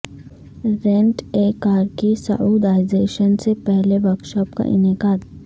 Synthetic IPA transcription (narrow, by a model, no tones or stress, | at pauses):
ɾɛ̃ɳʈeːkaːɾkisɐ̰ʔuːd̪aːɪzeːʃənsepɛɦleʋɐɾkʃɔːp̚ka̰ʔɪ̰nɪkaːd̪